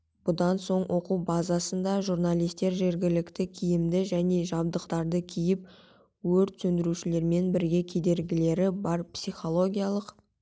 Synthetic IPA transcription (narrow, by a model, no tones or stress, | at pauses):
b̥ʊd̪ɑnso̞ɴwʔo̞quwbɑzasənd̪ɑʒuɾnalˠijst̪e̞ɾʒe̞ɾɡʲɪlɪkt̪ɪkʲʰijɪmd̪ɪʒæne̞ʒɑb̚d̪əqt̪ɑɾd̪əkʲʰijɪp̚ | wɵɾt̪sɵnd̪ɪɾuʃɪle̞ɾme̞nbɪɾɡʲe̞kʲʰe̞d̪e̞ɾɡʲɪle̞ɾɪbɑɾpsijχo̞lˠo̞ɡʲijalˠəq